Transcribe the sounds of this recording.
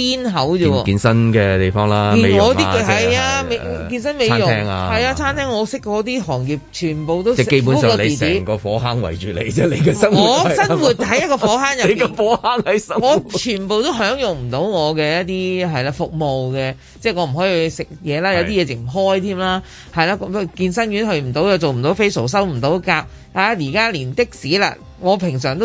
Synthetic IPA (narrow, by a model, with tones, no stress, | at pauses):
piː˥nɦɐ˨˥wo˨˧wɔː˧iː˨˧nsɐ˥nkɛː˧t̪e˨˩jfɔː˥ŋlaː˦i˧me˨jŋɔː˨˧tŋiː˥˧ɦɐ˨jaː˧me˨˧jkiː˧nsɐ˥nme˨˧jjʊ˨ɛː˧˥ŋa̰˧hɐ˨jaː˧t͡sʰaː˥nt̪ʰɛː˥ŋɔː˨˧sɪ˥kːɔː˧˥t̪̬iː˥ɦɔː˨˩ŋji˨p̚t͡ʃʰyː˨˩npo˨wt̪o˥wɛ˥ke˧jpu˨˦nu˥skɔː˧le˨˧i˨˩t͡ssɛiː˨˥˩ŋkɔː˧fɔː˨˥ɦaː˥ŋwɐ̰˨˩jt͡ʃyː˨lḛ˨˩jt͡sɛː˥le˨˧jkɛ˧sɐ˥ŋŋɔː˨˧sɐ˥nwuː˨˧t̚t̪ʰɐ˨˥jjɐ˥t̚kɔː˧ɔː˨˥ɦaː˥ŋjɐ˨e˧ɔ˧fɔː˨˥haː˥ŋhɐ˨˥jsɐ˥ŋɔː˨˧t͡ʃʰyː˨˩npo˨wt̪o˥wɦœː˨˥ŋjʊ˨ŋm̩˨˩t̪o˨˥wŋɔː˨˧kɛː˧jɐ˥t̚t̪iː˥ɦɐ˨jlaː˧fʊ˨k̚mo˨wkɛ˧ | t͡sɛː˥ŋɔː˨˧m̩˨˩ɦɔː˨˥ji˧hsɪ˨k̚jɛː˨˧laː˥jɐ˨˧wt̪iː˥jɛː˨˧t͡sɪ˨k̚m̩˨˩ɦɔː˥jt̪ʰiː˥mlaː˥ | hɐ˨jlaː˧˩kɔ˧kiː˧nsɐ˥njyː˨˥nɦɵ˧ɥm̩˨˩t̪o˨˥wjɐ˨˧t͡so˨wm̩˨˩t̪o˨˧˥wfe˥jso˨˩ws̬ɐ˥wm̩˨˩t̪o˨˥wkaː˧p̚ | haː˨˧jiː˨˩kaː˥liː˨˩nt̪ɪ˥k̚siː˨˥la̰ː˨ | ŋɔː˨˧pʰɪ˨˩ŋsœː˨˩ŋt̪o˥